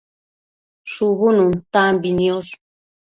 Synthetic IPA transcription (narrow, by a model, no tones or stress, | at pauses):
ʃuβununt̪ambinios